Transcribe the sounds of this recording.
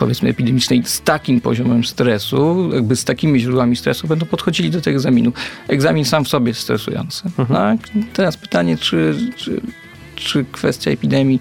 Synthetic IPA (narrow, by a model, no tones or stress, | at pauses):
pɔvʲjɛt̪smɘ̰ɛpʲid̪ɛmʲit͡ʂnɛjst̪akʲimpɔ̰ʑɔmɛmst̪ɾɛsujaɡ̚bɘst̪akʲimʲiʑɾud̪wamʲist̪ɾɛsubɛnd̪ɔw̃pɔt̪xɔd͡ʑilʲid̪ɔt̪ɛɡɡɡzamʲinuɛɡzamʲinsamfsɔbʲjɛst̪ɾɛsṵjɔ̰nt̪sɘnɔat̪ɛɾaspɘ̥t̪aɲɛt͡ʂɘt͡ʂ | t͡ʂɘkfɛst̪ʲja̰ɛpʲid̪ɛmʲji